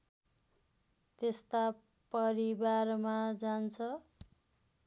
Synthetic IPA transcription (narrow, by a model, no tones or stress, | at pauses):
t̪est̪a | pʌɾibarmad͡zant͡sʰʌ